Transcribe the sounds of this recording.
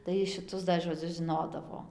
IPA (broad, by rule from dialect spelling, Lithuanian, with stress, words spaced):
tɐɪ ʃʲɪˈtʊs dɐ ʒoːˈd͡zʲʊs ʒʲɪˈnoːdɐʋoː